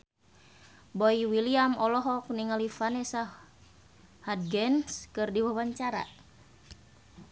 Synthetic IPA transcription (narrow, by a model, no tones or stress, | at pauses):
boiwiliamɔlɔɦɔk̚niŋalifanɛsa | had̪̚ɡɛnskɨrdiwawaɲt͡ʃaɾa̰